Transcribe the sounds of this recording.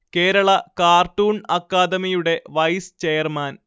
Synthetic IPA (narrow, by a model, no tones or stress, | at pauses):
ke̞ːɾɐɭɐkaːrʈuːɳɐkːaːd̪ɐmijuɽe̞ʋɐjst͡ɕejɐrmaːn